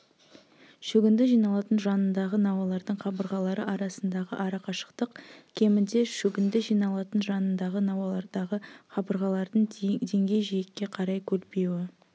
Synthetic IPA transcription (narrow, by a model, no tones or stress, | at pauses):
ʃɵɡʲɪnd̪ɪʒijnɑlˠɑt̪ənʒɑnənd̪ɑʁənɑwɑlˠɑɾd̪əɴχɑbəɾʁɑlˠɑɾəʔɑɾɑsənd̪ɑʁə̰ʔɑɾɑqɑʃə̥qt̪əqkʲʰe̞mɪnd̪e̞ʃɵɡʲɪnd̪ɪʒijnɑlˠɑt̪ənʒɑnənd̪ɑʁənɑwɑlˠɑɾd̪ɑʁəχɑbəɾʁɑlˠɑɾd̪əɴd̪ʰe̞ŋɡʲe̞jʒijekʲːe̞qʰɑɾɑjkʲʰɵɾpewɪ